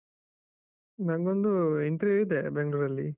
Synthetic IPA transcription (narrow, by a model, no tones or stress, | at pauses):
nɐŋɡond̪uent̪ɾieid̪ebeŋɡɭuɾɐlːi